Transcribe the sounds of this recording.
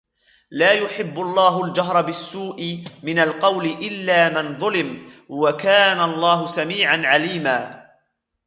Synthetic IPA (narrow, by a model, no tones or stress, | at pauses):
laːjʊħɪbːʊlˤːɑːɦʊld͡ʒaɦɾˤɑbɪsːuːʔɪmɪnalqɑwlɪʔɪlːaːmɪnðˤʊlɪmwakaːnalˤːɑːɦʊsamiːʕanʕaliːmaː